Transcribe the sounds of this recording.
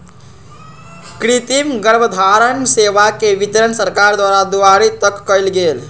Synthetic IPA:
kɾit̪imɡɐɽʋɐd̪ʱaːɾɐɳseːʋaːkeʋit̪ɐɾɐnsɐɾkaːɾd̪ʋaːɾad̪uʋaːɾit̪ɐkːɐjlɡeːl

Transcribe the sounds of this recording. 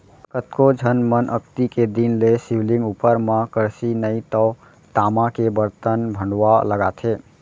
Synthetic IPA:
kət̪kod͡ʒʱənmənʔəkt̪iked̪inlesiwlĩŋɡupəɾmãkəɾsinəjt̪ɔ | t̪amãkebəɾt̪ənbʱə̃ɳɖwaləɡat̪ʰe

